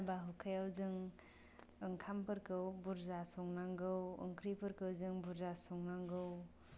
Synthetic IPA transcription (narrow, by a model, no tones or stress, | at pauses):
baɦukʰajawzɯŋ | əŋkʰampɐɾkɯwbuɾzasɔŋnaŋɡɯwə̰ŋkʰɾipəɾkɯwzɯŋbuɾzasɔŋnaŋɡɯw